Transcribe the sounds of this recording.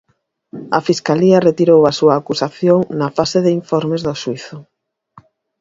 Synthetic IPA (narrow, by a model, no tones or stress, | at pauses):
ɐfiskaliɐret̪iɾowasuɐːkusaθjoŋnɐfaseðɪiɱfɔɾmezðosuiθʊ